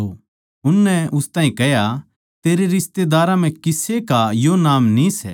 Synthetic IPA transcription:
o | ʊnːɛʊst̪ãːĩkɛɦja | t̪eːɾeɾɪst̪ed̪aːɾãm̤ɛ̃kɪsekajonaːmnisɛ̰

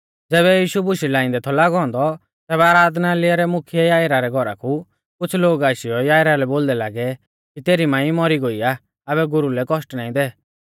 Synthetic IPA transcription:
d͡zɛːβɛjiːʃubʊʃilãːɪ̃nd̪ɛt̪ʰɔlaːɡɔ̃ːnd̪ɔ | t̪ɛːbɛaːɾaːd̪nalɪaɾɛmʊkʰjɛjaːjɾaɾɛɡʱɔɾa̰kʰu | kʊt͡sʰloːɡaːʃɪjɔjaːjɾalɛboːld̪ɛlaːɡɛ | kit̪eːɾimãːĩmɔɾiɡoiaː | βɛɡʊɾulɛkɔsʈnaːĩd̪ɛ

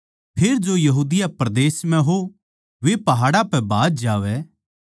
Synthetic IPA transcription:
pʰeːɾd͡ʒojɐɦuːd̪ɪjapɾɐd̪eːsmɛ̃ɦo | ʋepɐɦaːɽapɛbaːd̪d͡ʒaːʋɛ

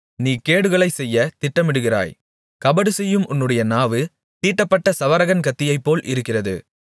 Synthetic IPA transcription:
niːkeːɽɯɣɐɭɐɪsɛjːɐt̪ɪʈːɐmɪɽɯɣɪra̰ːj | kɐbɐɽɯsɛjːɯmʔʊnːɯɽɐjɐnaːʋɯ | t̪iːʈːɐpːɐʈːɐsɐʋɐɾɐɣɐnkɐt̪ːɪjɐɪpːoːlʔɪ̰ɾɯkːɪrɐðɯ̰

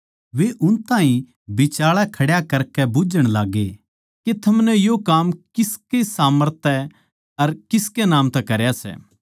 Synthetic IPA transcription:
ʋeʔʊnt̪ãːɦĩ | bɪt͡ʃaːɭakʰɐɽjakɐɾkɛbʊd͡ʒəɽ̃laːɡe | ket̪ʰɐmnɛjokaːmkɪskesaːməɾt̪ʰɛ | ɐɾkɪskenaːmt̪ɛkɐɾjasɛ̰ː

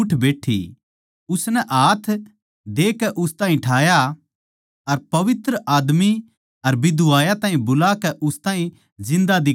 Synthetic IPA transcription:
ʈʰbeːʈʰḭ | ʊsnɛʔaːt̪ʰ | d̪eːkɛʔʊst̪ãːĩʈʰaːja | ɐɾpɐʋɪt̪ɾəʔaːd̪mi | ɐɾbɪd̪uaːjat̪ãːɦĩbʊlaːkɛʔʊst̪ãːĩ | zɪ̃nd̪ad̪ɪ

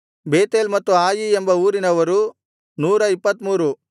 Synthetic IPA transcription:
beːt̪eːlmɐt̪ːuaːjiembɐuːɾinɐʋɐɾu | nuːɾɐipːɐt̪muːɾu

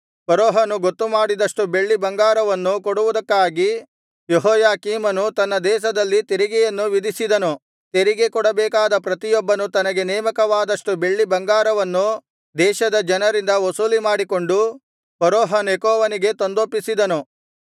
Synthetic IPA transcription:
pɐɾoːɦaːnuɡot̪ːumaːɽid̪ɐʂʈube̞ɭːibɐŋɡaːɾɐʋɐnːukoɽuʋud̪ɐkːaːɡi | jeɦɔːjaːkiːmɐnut̪ɐnːɐd̪ɛːʃ̬ɐd̪ɐlːit̪eɾiɡɛjɐnːuʋid̪isid̪ɐnu | t̪eɾiɡekɔɽɐbɛːkaːd̪ɐpɾɐt̪ijɔbːɐnut̪ɐnɐɡe̞nɛːmɐkɐʋaːd̪ɐʂʈube̞ɭːibɐŋɡaːɾɐʋɐnːu | d̪ɛːʃɐd̪ɐd͡ʒɐnɐɾind̪ɐʋosuːlimaːɽiko̞ɳɖu | pɐɾɔːɦanjekɔːʋɐniɡe̞t̪ond̪opːisid̪ɐnu

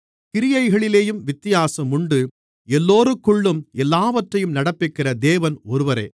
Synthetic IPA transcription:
kɪɾɪjɐɪɣɐɭɪleːjɯmʋɪt̪ːɪjaːsɐmʊɳɖɯ | ɛlːoːɾɯkːʊɭːɯmɛlːaːʋɐʈrɐjɯmnɐɽɐpːɪkɪrɐd̪eːʋɐnɔɾɯʋɐɾɐ̰ː

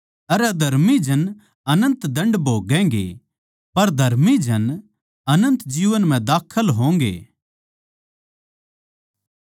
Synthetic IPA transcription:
ɐɾɐd̪ʱɐɾmid͡ʒʱɐn | ɐnə̃nt̪d̪ɐ̃ɳɖbʱoːɡɛ̃ːɡḛ | pɐɾd̪ʱɐɾmid͡ʒʱɐn | ɐnə̃nt̪d͡ʒiːʋənm̤ɛ̃d̪aːkʰəlɦõːŋ̆ɡḛː

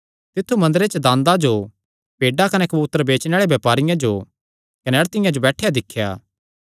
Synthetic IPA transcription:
t̪ɪt̪ʰːumɐ̃nd̪ɾet͡ʃəd̪ãːnd̪ad͡ʒo | peːɖakɐnɛkɐbut̪ːəɾbeːt͡ʃneaːɭebjɐːpaːɾɪjãd͡ʒoː | kɐnɛɐɽt̪ɪjãd͡ʒobɛːʈʰejad̪ɪkʰːja̰ː

